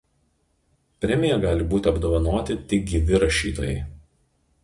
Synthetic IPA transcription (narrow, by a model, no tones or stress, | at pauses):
pʲɾʲɛmʲɪjɛɡɑːlʲɪbuːt̪ʲɪɐbd̪oːʋɐnoːt̪ʲɪt̪ʲɪk̚ɡʲɪʋʲɪɾɐʃʲḭːt̪oːjɛɪ